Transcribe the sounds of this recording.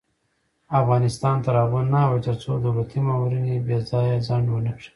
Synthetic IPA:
afɣɑnɪst̪ɑnt̪aɾɑɣunːawet̪əɾt͡sod̪awlat̪imawɾinebjezɑjazaɳɖwənakʂi̥

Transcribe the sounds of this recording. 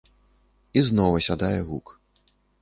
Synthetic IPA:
iznɔvɐsʲad̪ajɛɣuk

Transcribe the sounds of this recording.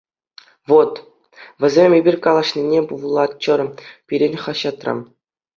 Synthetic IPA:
ʋot̪ | ʋʲɘ̆zʲemʲebʲirʲkɑlˠɑ̆ɕnʲinʲepuʋlˠɑt̪̚t͡ɕɤ̆rpʲiɾʲenʲχɑɕɑt̪rɑ̰m

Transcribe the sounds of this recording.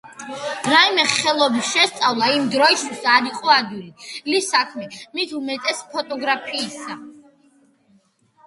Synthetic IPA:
ɾaimɛχɛlˠɔbisʃɛst̪sʼavlˠaimd̪ɾɔist̪ʰwisaɾiqʼɔad̪wililisakʰmɛmit̪ʰumɛt̪ʼɛspʰɔt̪ʼɔɡɾapʰiːsa

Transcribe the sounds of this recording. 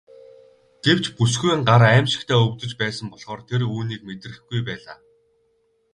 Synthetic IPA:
ɡ̥ew̥t͡ɕpusɡujɴɢaɾæːmʃɪ̥̆kt̪ʰæːɵwt̪ɵ̆t͡ɕpæːsə̆mpɔɮ̥χɔːrt̪ʰeruːniːk̚met̪rɘ̆xɡujpæːɮaː

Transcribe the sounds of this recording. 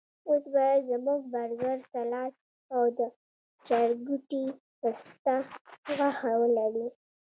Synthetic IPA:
osbajazamuɡ̚baɾzaɾsalɑt͡ʃ | awd̪ə | t͡ʃaɾɡuʈi | ast̪awaxawəlaɽi

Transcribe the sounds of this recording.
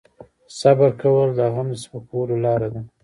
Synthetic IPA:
sabaɾkawəld̪aɣamd̪əspakawəlolɑɾad̪a

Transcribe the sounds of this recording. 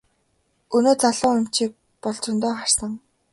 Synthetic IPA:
ɵnoːt͡saɮʊːŋʊm̥t͡ɕiːk̚ | pɔɮt͡sʊ̆nt̪oːχar̥sə̆ŋ

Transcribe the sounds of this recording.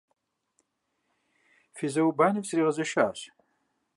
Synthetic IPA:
fizɐwbaːnɨvsriːʁɐzɐʃaːɕ

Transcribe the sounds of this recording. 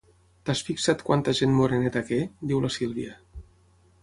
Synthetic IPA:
t̪asfiksat̪kwant̪əʒenmoɾenet̪akɛd̪iwləsilˠβiə

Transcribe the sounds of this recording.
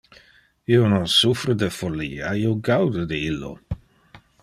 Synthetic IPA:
iːononsufɾəd̪efolːiːaioɡawd̪əd̪iilːo̰

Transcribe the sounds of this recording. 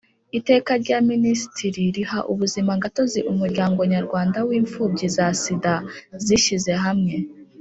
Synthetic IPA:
ite̞ːkaɾɟaminisi̥tʰiɾiɾihaʔuβuzimaŋɡato̞ziʔumuɾɟaːŋɡoɲaɾɡwaːndawiːɱfuːbɟizasidaziʃize̞ɦamŋe̞

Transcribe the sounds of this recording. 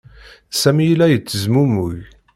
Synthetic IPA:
sæmijlæjət͡sːəzmumuj

